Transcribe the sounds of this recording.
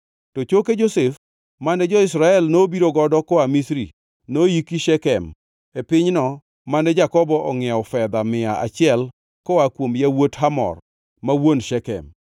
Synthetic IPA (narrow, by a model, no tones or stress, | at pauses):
tot͡ʃoked͡ʒosef | manɛd͡ʒɔɪsɾaɛlnobiɾoɡɔdɔkɔamisɾḭ | nojikiʃɛkɛm | epɪɲnɔ | manɛd͡ʒakɔbɔʔɔŋɪaʊfɛd̪amɪaa̰t͡ʃɪɛl | kɔakwomjawothamɔ̰r | mawonʃɛkɛ̰m